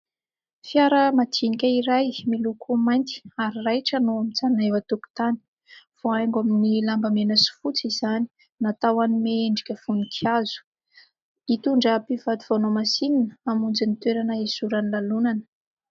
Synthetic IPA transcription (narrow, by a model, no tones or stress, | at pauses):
fjaɾəmat̪ʰinikʲəiɾajmilukʰumajnt̪i̥aɾirajʈ͡ʂanoamit͡sanaewat̪uku̥t̪ani̥ | v̥oajŋɡaminilambəmenəsi̥fut͡sizani̥ | nat̪awanimeeɳɖ͡ʐikʲəfunikʰiazu̥ | it̪uɳɖ͡ʐapivat̪uv̥onomasininəamund͡zinit̪weɾanəizuɾanilalunanə̥